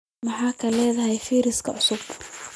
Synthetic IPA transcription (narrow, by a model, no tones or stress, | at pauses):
mɑħaːkʰɐlɛːðɐɦɛjfiːɾɪskʰɐʕʊsʊb̥̚